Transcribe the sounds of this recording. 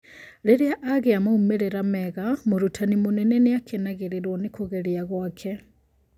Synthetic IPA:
leɾeaʔaɣeamoumeɾeɾamɛɣamoɾutʰanimoneneneakʰenaɣeɾeɾwonikoɣeɾiaɣwakʰe

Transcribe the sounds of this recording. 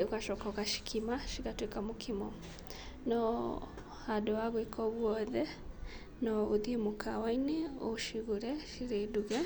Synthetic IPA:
ukaʃɔkaɣaʃi̥kʰimaʃiɣatwekamokʰimɔ | nɔ | hadɔwaɣwekʰɔɣwɔðɛ | nɔoðiemokʰawaineoʃiɣuɾɛʃiɾeduɣɛ

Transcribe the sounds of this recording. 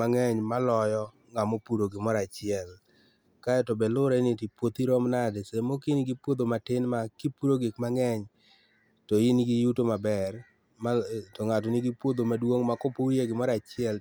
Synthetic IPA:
aŋɛɲmalɔjɔ | ŋamopuɾoɡɪmɔɾat͡ʃɪɛl | kaɛtobɛlʊɾɛnɪtipwot̪iɾɔmnadesemokinɪɡipwod̪omatɪnmakipuɾoɡɪkmaŋɛɲ | tojɪnɡijutomabɛr | matoŋatonɪɡipwod̪omadwoŋmakɔpojeɡɪmɔɾat͡ʃɪɛl

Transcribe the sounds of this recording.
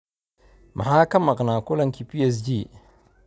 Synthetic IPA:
mʔa̰hakamːaknakolaŋkipies̬d͡ʒi

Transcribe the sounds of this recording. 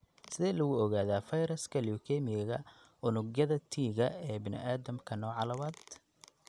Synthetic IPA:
sɪðɛːlɐɣʊɔɣaːðaːfɐjɾɐskʰɐljukʰɛmɪjɐɣɐ | ʊnʊɡjɐðɐt̪ʰiːɣɐɛːbɪnɪ̰ʔaːðɐmkʰɐnɔːʕɑlɐwaːd̪

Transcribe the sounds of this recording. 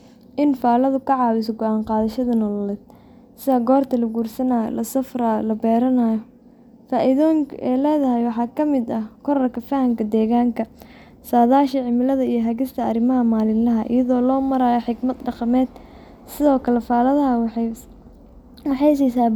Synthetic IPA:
ʔɪnfaːlɐðʊkʰɐʕɑːwɪs̬ɔɡɔʔaːɴqɑːðɐʃɐðɐnɔːlɐlɛːd̪̥̚ | sɪðɐɡɔːrt̪ʰɐlɐɡuːrsɐnaːjɔ̰lɐsɐfrajlɐbɛːɾɐnaːjɔ | faːʔɪðɔːŋkʰʔɛlɛːðɐɦɛjwɑħɑːkʰɐmɪd̪ɐhkʰɔɾɐrkʰɐfɐhɐmkʰɐd̪ɛːɣaːŋkʰɐ | saːðaːʃɐʕɪmɪlɐðɐijɞɦɐɣɪst̪ʰɐɐrɪmɐɦɐmaːlɪnlɐɦɐʔɪ̰jɐðɔːlɔːmɐɾaːjɔħɪɡmɐd̪ɖɑqɑmɛːd̪ | sɪðɔːkʰɐlɛfaːlɐðɐɦɐw | wɑħɑjs̬ɛsaː

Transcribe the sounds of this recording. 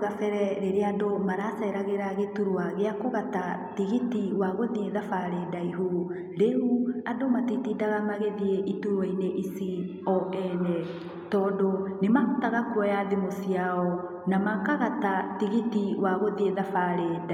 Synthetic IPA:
ɣafɛɾɛɾeɾeadomaɾasɛɾaɣeɾaɣetuɾwaɣeakoɣatatiɣitiwaɣoðieðafaɾedaiɦu | ɾeuadomatitidaɣamaɣeðieʔituɾwaineʔisi | ɔʔɛnɛ | tɔdonemahutaɣakwɔjaðemosiaɔ | namakaɣatatiɣitiwaɣoðieðafaɾeda

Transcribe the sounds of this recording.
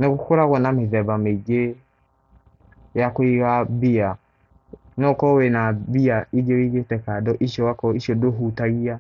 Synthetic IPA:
neɣokoɾaɣwɔnameðɛβameɡe | jakwiɣabia | nɔkɔwenabiaiɡewiɣetɛkadɔʔiʃjɔakɔiʃiɔdoɦutaɣia

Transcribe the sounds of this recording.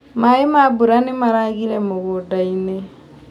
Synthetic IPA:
maemabuɾanemaɾaɣiɾɛmoɣodaine

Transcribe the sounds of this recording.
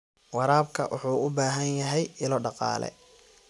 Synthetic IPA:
wɑɾaːbkʰɐ̰wʊ̰ħuːʊbaːɦɐnjɐɦɛjɪlɔɖɑqɑ̰ːlɛ̰

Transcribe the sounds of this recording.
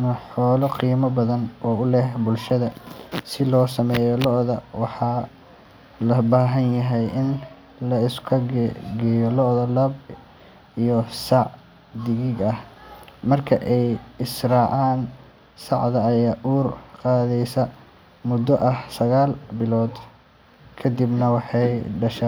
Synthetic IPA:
nɐħɔːlɐqiːmɐbɐðɐnɔːʊlɛhbʊlʃɐðɐsɪlɔːsɐmɛːjɔlɔʔðɐwɑħɑ | lɐbaːɦɐnjɐɦɛjʔɪn | lɐɪskʰɐɡɛjɔlɔʔðɐlɐb | ijɔsɑʕ | d̪ɪɣɪɡɐhmɐrkʰɐʔɛjɪsrɑːʕɑːn | sɑʕd̪ɐːjaːʔuːrqɑːðɛjsɐ | mʊd̪ːɔʔɐhsɐɣaːlbɪlɔːd̪ | kʰɐd̪ibnɐwɑħɑjɖɐʃa

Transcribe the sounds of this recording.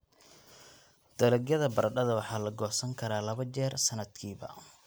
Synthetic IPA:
d̪̥ɐlɐɡjɐðɐbɐrɖɐðɐwɑħɑːlɐɡɔːsɐŋkʰɐɾaːlɐɐt͡ʃɛːrsɐnɐd̪kʰiːβɐ̰

